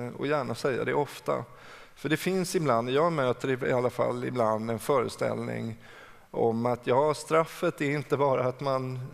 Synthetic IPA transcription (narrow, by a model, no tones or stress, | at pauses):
ɔ̰jæːɳasɛjːa̰d̪ɛɔft̪a̰ | fœɖɛfɪnsɪbland̪jɑːmøːt̪əɾɪɪ̰alːafa̰lːɪbland̪ɛnfœːɾəst̪ɛ̰lnɪ̰ŋ | ʔɔmat̪ʰjɑːʂt̪ɾafːət̪ɛɾɪnt̪əbɑːɾaːt̪man